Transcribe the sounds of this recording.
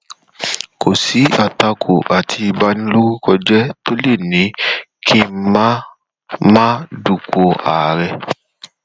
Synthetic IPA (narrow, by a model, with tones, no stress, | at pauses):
kʰo˨si˨˦a˨ta˧kʰo̰˨ʔa˨tʰi˧i˧ba˦nĩ˦lo˦ɾu˦kɔ˧d͡ʒɛ˦to˦le˦˨nĩ˨˦kʰi˦mã˦ | mãː˦du˨ko˧a̰˨ɾɛ˧